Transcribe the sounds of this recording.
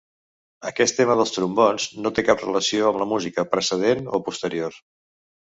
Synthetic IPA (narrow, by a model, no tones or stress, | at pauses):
əkɛst̪ːeməð̞əlˠst̪ɾumbɔnznot̪ekaprə̰ləsioəmləmuzikəpɾəsəð̞enopust̪əɾioɾ